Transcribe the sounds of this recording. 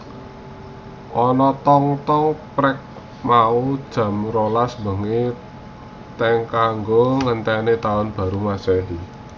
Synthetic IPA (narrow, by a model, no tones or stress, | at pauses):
ʔɔnɔt̪ɔŋt̪ɔŋpɾɛk̚ | maud̥ʒ̥ä̤mɾolasmbə̤ŋe | t̪ɛŋkaŋɡoŋənt̪ɛnet̪aʊnb̥ä̤ɾumasɛɦi